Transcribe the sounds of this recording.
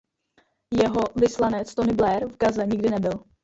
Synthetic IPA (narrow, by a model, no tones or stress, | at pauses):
jɛɦo̞vɪslanɛt͡st̪onɪblɛɾvɡazɛɲɪɡdɪnɛbɪl